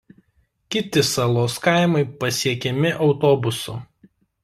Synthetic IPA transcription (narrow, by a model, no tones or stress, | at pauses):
kʲɪt̪ʲɪsɐlˠoːskɑɪmɐɪpɐsʲiɛkʲɛmʲɪʔɒʊt̪oːbʊsʊ